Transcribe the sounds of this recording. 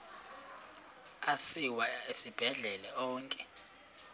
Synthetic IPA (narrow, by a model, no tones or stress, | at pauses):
asiwaesib̥ʱɛɮɛlɛɔːŋkʼɛ